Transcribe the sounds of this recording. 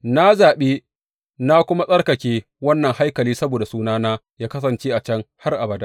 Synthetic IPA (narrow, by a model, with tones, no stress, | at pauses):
na˦zaː˨ɓeː˦ | na˦kʷʊ˦ma˦sʼɐ˦rkɐ˨kʲeː˦ | wɐ˦nːɐ˨ŋha˦jkɐ˨liː˦sɐ˦boː˨da˨suː˦naː˦naː˦jaː˦kɐ˦s̬ɐ˨nt͡ʃeː˦ʔa˨t͡ʃɐ˦ŋha˦rʔa˨bɐ˨da˦